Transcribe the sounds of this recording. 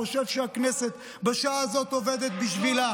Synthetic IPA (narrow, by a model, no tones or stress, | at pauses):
oʃevʃeakneset̪ | beʃaazo̞t̪oved̪et̪biʃvila